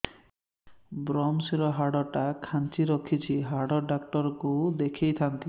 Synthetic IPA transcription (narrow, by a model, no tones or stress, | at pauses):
bɾɔmsiɾɔɦaɽɔʈakʰant͡ʃiɾɔkʰit͡ʃʰiɦaɽɔɖakʈɔɾkud̪ekʰejt̪ʰant̪i